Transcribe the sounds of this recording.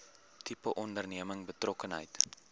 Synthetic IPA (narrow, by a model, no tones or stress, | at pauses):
tʰipəʔɔndərniəməŋbətrɔkənɦə̰jt